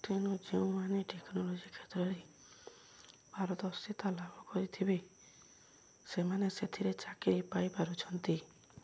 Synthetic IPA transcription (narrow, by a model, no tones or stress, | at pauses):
t̪inud͡ʒeũmaneʈeknɔlod͡ʒikʰet̪ɾɔɾe | baɾɔt̪ɔst̪it̪alabʱɔkɔɾit̪ʰibe | semaneset̪ʰiɾet͡ʃakiɾipajpaɾut͡ʃʰɔnt̪i